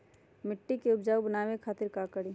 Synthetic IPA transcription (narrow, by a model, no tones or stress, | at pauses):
mɪʈːikeʊpd͡ʒaːubənaːwekʰaːt̪ɪɾkakəɽi